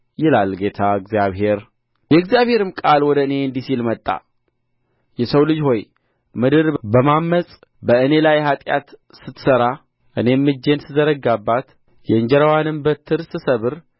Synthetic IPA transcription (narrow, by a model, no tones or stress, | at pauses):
jɪlalɡe̞t̪ʰaɨɡzjaβhe̞ɾ | jɛɨɡzjaβhe̞ɾɨmkʼalwɔd̪əɨne̞nd̪isilmət̪ʼːa̰ | jɛsəwlɨd͡ʒho̞j | mɨd̪ɨɾbəmamːəsʼ | bəɨne̞lajhat̪ʼja̰t̪sɨt̪ʰːsəɾa | ʔɨne̞mːɨd͡ʒːe̞nsɨzəɾəɡabːat̪ | jɛɨɲd͡ʒɛɾəwanɨmbət̪ʰːɨɾsɨsəβɨɾ